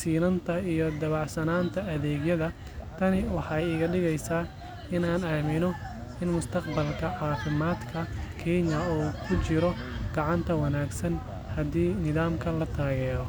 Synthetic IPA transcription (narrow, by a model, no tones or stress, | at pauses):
siːnɐnt̪ʰɐijɞd̪ɐβɑʕsɐnaːnt̪ʰɐɐðɛːɡjɐðɐ | t̪ʰɐnɪwɑħɑjɪɣɐɖɪɣɛjsaː | ɪnaːnaːmɪnɔɪnmʊst̪ʰɐqbɐlkʰɐʕɑːfɪmaːd̪kʰɐkʰɛːnjɐuːkʰʊt͡ʃɪɾɔɡ̥ɑʕɑnt̪ʰɐwɐnaːɡsɐn | hɐd̪iːnɪðaːmkʰɐlɐt̪ʰaːɣɛːɾɔ